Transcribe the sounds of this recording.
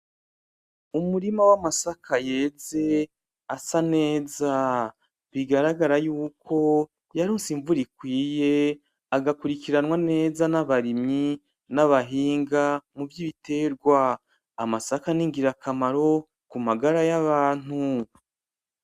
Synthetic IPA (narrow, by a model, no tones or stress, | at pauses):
umuɾimawamasakʰaje̞ːze̞ | asane̞ːza | βiɡaɾaɡaɾajuːkʰo̞ | jaɾuːnsiɱvuɾikwiːje̞ | aɡakuɾikiɾanwane̞ːzanaβaɾimɲi | naβaɦiːŋɡamuvjiβite̞ːɾɡwaː | masakaniŋɡiɾakamaɾo̞ | kumaɡaɾajaβaːn̥hu